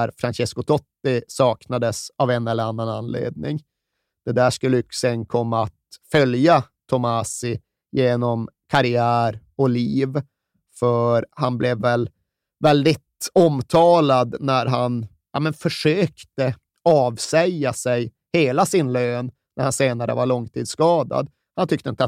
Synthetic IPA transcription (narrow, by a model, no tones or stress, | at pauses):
ɾfɾanɕɛskʊt̪ʰɔt̪ːɪsɑːknad̪əsavɛnːɛlːəɾanːananlḛːd̪̚nɪ̰ŋ | d̪̥ɛd̪æːʂkɵlːəjksɛnkʰɔmːaat̪fœljat̪ʰɔmasɪ | jeːnɔmkʰaɾɪæːɾ | ɔliːv | fœɾhanblɛvːɛl | vɛld̪ɪt̪ɔmt̪ʰɑːlad̪næɾɦan | jamɛnfœʂøːkt̪ə | ɑːvsɛjːasɛj | heːlasɪnløːnːʔæ̰ɾhanseːnaɾə̰vaɭɔŋt̪ʰiːd̪skɑːd̪a̰d̪ | hant̪ʰʏkt̪əɪnt̪